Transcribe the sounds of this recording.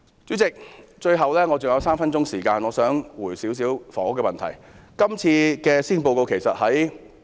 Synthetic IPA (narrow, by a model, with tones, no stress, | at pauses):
t͡syː˨˥t͡sɪ˨k̚t͡ʃɵ˧ɥɦɐ˨wlɛː˥ŋɔː˨˧t͡sʊ˨ŋjɐ˨˧wsaː˥mfɐ˥nt͡sʊ˥ŋsiː˨˩kaː˧nŋɔː˨˧sœː˨˥ŋwuː˨˩jsiː˨˥ws̬iː˨˥wfɔ̰ː˨˩ŋʊ˥kːɛ˧mɐ˨nt̪ʰɐ̰˨˩j | kɐ˥mt͡sʰiː˧kɛː˧siː˥npo˧wko˧wkʰe˨˩jsɐ˨t̚hɐ˨˥j